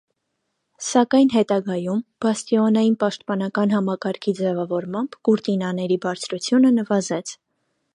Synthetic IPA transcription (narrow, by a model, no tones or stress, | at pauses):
sɑkɑjnɦɛt̪ɑɡɑjumb̥ɑst̪iɔnɑjinpɑʃt̪̚pɑnɑkɑnɦɑmɑkɑɾkʰid͡zɛvɑvɔɾmɑmb̥kuɾt̪inɑnɛɾibɑɾt͡sʰɾut͡sʰjunənəvɑzɛt͡sʰ